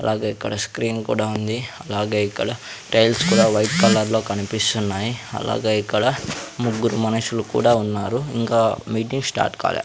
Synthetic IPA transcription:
ɐlʔaːɡe̞ːikːɐɽɐskɾiːnkṵːɽaːund̪iɐlaːɡe̞ːikːɐɽɐʈejlskuːɽaːʋɐjʈkɐlːɐɾlo̞ːkɐnipist̪unːaːjiɐ̰la̰ːɡe̞ːikːɐɽɐmuɡːuɾumɐnɐʃulukṵːɽaːunːaːɾuiŋkaːmiːʈ̬iŋɡsʈa̰ːɾʈka̰ːla̰ː

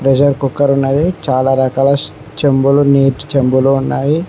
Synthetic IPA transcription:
pɾed͡ʒɐɾkukːɐɾunːaːjit͡ʃaːlaːɾɐkaːlɐ | t͡ʃembuluneːʈt͡ʃɐmbulounːaːji

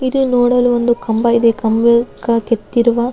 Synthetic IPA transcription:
id̪unoːɽɐluond̪ukɐmbɐid̪ekɐmbɐkːɐket̪ːiɾuʋa

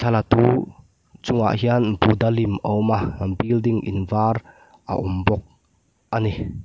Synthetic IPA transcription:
tʰɐlat̪u | t͡sʊŋa̰ʔɦianbud̪alimɔmabildiŋʔḭnvar | ʔa̰ʔɔmbɔk̚ | ʔani

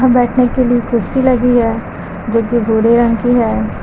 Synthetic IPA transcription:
ɦãbɛːʈʰnekeliekʊɾsilɐɡiɦɛː | d͡ʒoːkebʱuːɾeɾɐ̃ŋkiɦɛː

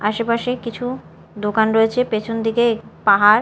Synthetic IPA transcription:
aʃepaʃekit͡ɕʰu | d̪okanɾoet͡ɕʰepet͡ɕʰond̪ikepaɦaɾ

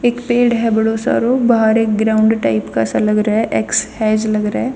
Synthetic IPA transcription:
eːkpeːɽɦɛbɐɽoːsa̰ːɾobaaɾekɡɾaʊɳɖʈɐjpkaːsalɐɡɾeʔekshɛːd͡ʒlɐɡɾee

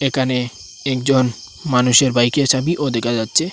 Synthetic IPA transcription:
ekʰane | ɛkd͡ʑon | manuʃeɾbajket͡ɕʰabiʔod̪ɛkʰad͡ʑatːɕʰe

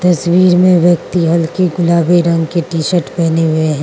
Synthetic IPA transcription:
t̪ɐswiːɾmẽʋjɐkt̪iɦɐlkeɡʊlaːbeɾɐ̃ŋɡkeʈiːʃəɾʈpɛɦneɦʊeɦɛ̃ː

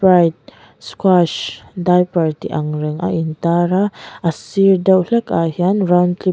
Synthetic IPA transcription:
ajt̪̚ | skwaʃdajpaɾt̪iʔaŋɾəŋʔa̰ʔint̪aɾaasiɾdəwlɛkaɦianɾawnt̪li

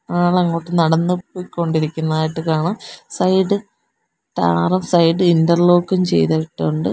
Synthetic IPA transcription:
aːɭɐŋːo̞ːʈːenɐɽɐnːɨpːoːjiko̞ɳɖiɾikʲːunːɐðaːjiʈːɨkaːɳamsɐjɖɨ | ʈaːrɐmsɐjɖɨindɐrloːkːɐmt͡ɕe̞̰jt̪ajiʈːɨuɳɖɨ

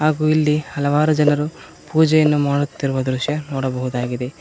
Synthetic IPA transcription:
ɦaːɡuːilːihɐlɐʋaːɾud͡ʒɐnɐɾu | puːd͡ʒɛjɐnːumaːɽut̪ːiɾuʋɐd̪ɾuʃjɐnoːɽɐbɐɦud̪aːɡid̪e̞

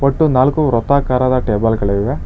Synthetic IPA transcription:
ʋɐʈːunaːlkuɾɔt̪ːaːkaːɾaːd̪ɐʈeːbɐlɡɐɭeʋiʋe

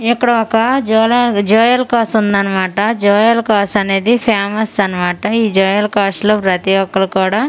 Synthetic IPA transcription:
ikːɐɽɐɔkɐd͡ʒɔlɐd͡ʒɔːjɐlkaːsund̪ɐnɐmaːʈɐd͡ʒɔːjɐlkaːsɐne̞ːd̪ipʰaːmɐsɐnɐmaːʈɐiːd͡ʒɔːjɐlkaːsʈloːpɾɐt̪iʋɔkːɐlɐkuːɽaː

